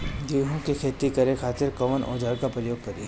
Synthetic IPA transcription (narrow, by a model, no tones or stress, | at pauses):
d̪iːɦõkikʰeːt̪ikɐɾekʰaːt̪ɪɾkɐmənʔo̰ːd͡ʒaːɾkapɾəjoːɡ̚kɐɾiː